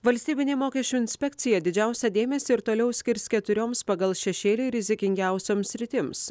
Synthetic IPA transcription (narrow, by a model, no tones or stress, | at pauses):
ʋɐlʲsʲt̪ʲiːbʲɪnʲeːmoːkʲɛʃʲt͡ʃʲuːɪnʲsʲpʲɛk̚t̪sʲɪjɛd̪ʲɪd͡ʒʲæˑʊsʲɛd̪ʲeːmʲɛsʲeɪɾt̪oːlʲɛʊsʲkʲɪɾʲskʲɛt̪ʊɾʲoːmspɐɡɐlˠʃʲɛʃʲeːlʲɪɾʲɪzʲɪkʲɪŋʲɡʲæˑʊsʲoːmsʲɾʲɪt̪ʲɪms